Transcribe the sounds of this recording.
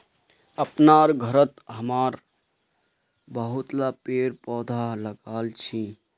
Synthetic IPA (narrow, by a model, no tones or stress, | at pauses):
əpnaːɾɡʱəɾət̪ɦəmaːɾ | bəɦʊt̪lapeːɾpɔːd̪ʱaləɡaːlt͡ʃʰi